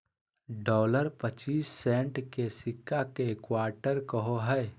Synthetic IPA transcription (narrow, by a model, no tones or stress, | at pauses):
ɖɔːləɾpət͡ʃiːsːẽːɳʈkesɪkʰːakeːkwaːɾʈəɾkəɦoɦɛː